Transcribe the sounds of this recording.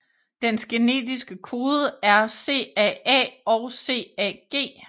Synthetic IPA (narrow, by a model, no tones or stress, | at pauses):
d̥ensɡ̥e̝ne̝̰ːdisɡ̥əkʰo̝ːðˠəæɐse̝̰ːɛɛ̰ɒʊse̝̰ːɛ̰ɡ̥e̝̰ː